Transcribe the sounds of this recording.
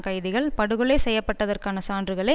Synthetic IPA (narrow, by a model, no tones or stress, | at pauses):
kɐjðɪɣɐɭpɐɽɯɣɯɭɐɪsɛjːɐpːɐʈːɐðɐrkaːnɐsaːndrɯɣɐɭɐɪ